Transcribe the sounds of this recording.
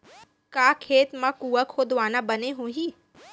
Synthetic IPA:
kaːkʰeːt̪mãkuːəkhod̪ʊʋaːnabəneɦõɦiː

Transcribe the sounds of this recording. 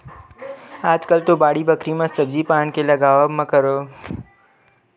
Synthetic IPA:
aːd͡ʒkəlt̪obaːɽibəkɾimãsəbzipaːnkelɐɡaːʋamɐ̃kəɾoː

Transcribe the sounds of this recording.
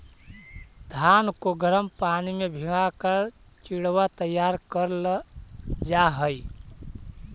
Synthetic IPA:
d̪ʱankoɡəɾəmpanimebʱiɡakəɾ | t͡ʃiɽwat̪əjːaɾkəɾl | d͡ʒaɦəi

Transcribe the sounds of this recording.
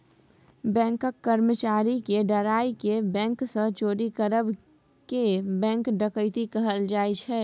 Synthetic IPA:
bɛ̃ːŋkəkːəɾmət͡ʃaːɾikeɖəɾaːikebɛ̃ːŋksə̃t͡ʃoːɾikəɾəb | kebɛ̃ːŋkɖəkəɪt̪ikəɦəld͡ʒaːet͡ʃʰɛ

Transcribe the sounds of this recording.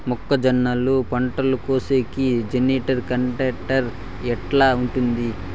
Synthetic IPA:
mukːɐd͡ʒɐnːɐlupɐɳʈɐlukoːseːkid͡ʒeniːʈɐɾkɐɳʈɐːʈɐɾ | ɛʈlaːuɳʈund̪i

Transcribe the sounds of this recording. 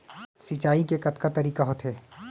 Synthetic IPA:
sit͡ʃaːikekɐt̪kat̪ɐɾiːkaɦot̪ɦɛː

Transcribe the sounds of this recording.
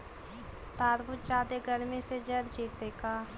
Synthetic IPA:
t̪aːɾbʊt̪̚d͡ʒaːd̪eɡəɾmẽsed͡ʒɐɾd͡ʒiːt̪ekaː

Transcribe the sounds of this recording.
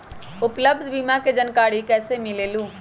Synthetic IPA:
ʊpləb̚d̪ʱbiːmaked͡ʒənkaːɽikɛːsemɪleːluː

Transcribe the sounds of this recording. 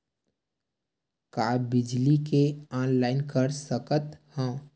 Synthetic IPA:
kaːbɪd͡ʒlikeɔːnlaːɪnkəɾsəkət̪hə̃

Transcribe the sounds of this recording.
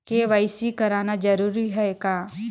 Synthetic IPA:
keʋaɪsikɐɾaːnad͡ʒɐɾuːɾiɦɛekaː

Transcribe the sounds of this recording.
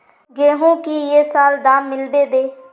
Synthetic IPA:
ɡeːɦõːkiːjeːsaːld̪aːmːɪlbeːd̪eː

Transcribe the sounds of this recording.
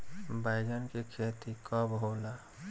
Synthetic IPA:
baɪɡənkekʰeːt̪ikəbɦoːla

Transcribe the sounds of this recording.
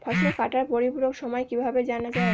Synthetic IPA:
bʰʱɔʃnokaʈaɾpoɾipuɾoɡʃɔmɔekibʱabed͡ʑanat͡ɕae

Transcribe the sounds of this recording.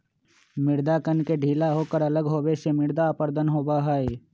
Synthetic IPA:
mɪɾd̪akənkeɖʱiːlaɦoːkəɾɐləɡɦoːbesemɪɽd̪aːpəɾd̪ʱənɦoːbaɦae

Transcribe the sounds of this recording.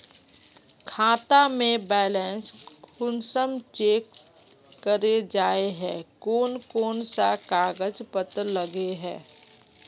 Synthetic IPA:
kʰaːt̪amẽbɛːlɛ̃ːnskʊnsəmt͡ʃeːkː | əɾed͡ʒaːeɦɛ̃ːkoːnkoːnsakaːɡəd͡ʒpət̪ləɡeɦɛ̰̃ː

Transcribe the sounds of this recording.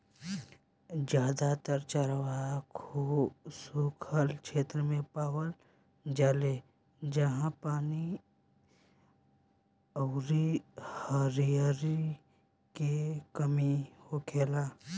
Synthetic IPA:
d͡ʒjaːd̪at̪əɾt͡ʃəɾʋakʰosukʰəlkʰeːt̪ɾəmẽpaːwəl | d͡ʒaːle | d͡ʒəɦãpaːni | ɔːɾihəɾijaɾi | kekəmihokʰeːlaː

